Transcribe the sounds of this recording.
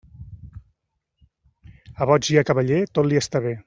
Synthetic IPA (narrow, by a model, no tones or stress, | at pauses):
əβɔd͡ʒiəkəβəʎet̪ot̪liəst̪aβe